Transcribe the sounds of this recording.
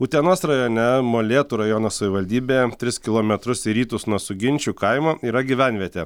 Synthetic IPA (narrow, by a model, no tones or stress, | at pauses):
uːt̪ʲɛnoːsɾɐjoːnʲɛmoːlʲeːt̪uːɾɐjoːnoːsɐʋʲɪʋɐlʲd̪ʲiːbʲeːjɛt̪ʲɾʲɪskʲɪlˠoːmʲɛt̪ɾʊsiɾʲiːt̪ʊsnuɔsʊɡʲɪnʲt͡ʃʲuːkɐɪmoːiːɾɐɡʲiʋʲænʲʋʲiɛt̪ʲeː